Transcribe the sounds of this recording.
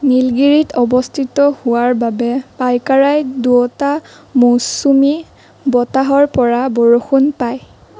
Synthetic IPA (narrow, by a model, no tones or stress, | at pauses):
nilɡiɹitʰɔbɔstʰitɔhʊwaɹbabɛpajkaɹajduɔta | mosumi | bɔtaɦɔɹpɔɹabɔɹoxunpaj